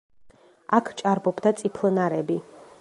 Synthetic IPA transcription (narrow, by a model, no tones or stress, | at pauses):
akʰt͡ʃʼaɾbɔbd̪at̪sʼipʰlˠnaɾɛbi